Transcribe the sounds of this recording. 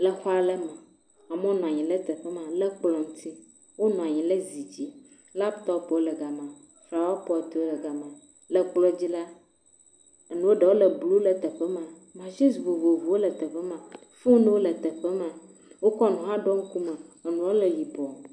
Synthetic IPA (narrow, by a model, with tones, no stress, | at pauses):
lɛ˨xɔ˦a˦le˦mã˨ | a˨me˦o˦nɔ̃˨a˨ɲĩ˨le˦t̪ə˨ɸɛ˦mã˨lɛ˦k͡plɔ˨ŋũ˦t̪i˦ | wo˦nɔ̃˨a˨ɲĩ˨le˦zi˨d͡ʑi˦ | la˦pt̪ɔ˦pwo˦lɛ˨ɡa˨mã˨ | fɾa˨wa˦pɔ˦˨t̪u˨˦wo˦lə˨ɡa˨mã˨ | lɛ˨k͡plɔ˦d͡ʑi˦la˦ | e˨nũ˦wo˦ɖe˨wo˦lə˨blu˦lə˨t̪ə˨ɸɛ˦mã˨ | mã˨ʃi˦svo˨vo˨vu˨wo˦lə˨t̪ə˨ɸɛ˦mã˨ | fu˦nũ˦wo˦lə˨t̪ə˨ɸɛ˦mã˨ | wo˦kɔ˦nũ˨ɦã˦ɖɔ˦ŋ̩˦ku˦me˨e˨nũ˨wo˦le˨ji˨bɔ˨